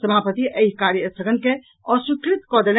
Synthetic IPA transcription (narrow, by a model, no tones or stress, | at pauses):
səmʱaːpət̪iʔɐiɦkaːɾjəsəɡənke | ɔːɾsukɾɪt̪kɔːd̪ələ